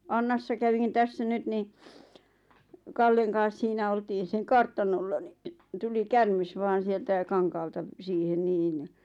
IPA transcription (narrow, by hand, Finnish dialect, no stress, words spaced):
ɑnːɑsːɑ kæʋin tæsːæ nyt ni kɑlːeŋ kɑːs siːnæ oltiːn̞ seŋ kɑrtɑnolːɑ ni tuli kærmes ʋɑːn̞ sieltæ kɑŋkɑːltɑ siːhen niːn